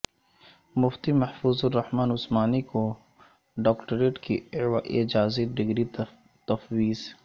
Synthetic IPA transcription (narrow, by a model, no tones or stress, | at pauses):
mʊft̪imɐhfuːzʊrːɐhmaːnʊsmaːniko | ɖɔːkʈəɾeːʈkḭwa̰ʔɪd͡ʒaːziɖɪɡɾi | t̪ɐfwiːz